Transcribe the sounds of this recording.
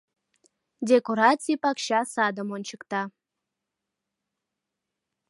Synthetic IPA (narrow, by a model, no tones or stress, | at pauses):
dʲekoɾɑt͡sʲipɑkɕɑsɑd̪əmonʲt͡ɕəkt̪ɑ